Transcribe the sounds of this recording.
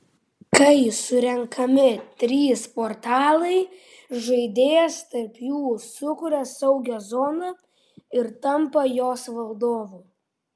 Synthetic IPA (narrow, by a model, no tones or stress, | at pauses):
kɐɪsʊɾʲɛŋkʰɐmʲɪt̪ʲɾʲiːspɔɾt̪ɑːlˠɐɪ | ʒɐɪd̪ʲeːjɛst̪ɐɾpjuːsʊkʊɾʲɛsɐʊɡʲoːzɔnɐ | ɪɾt̪ɐmpɐjoːsʋɐlˠd̪oːʋuː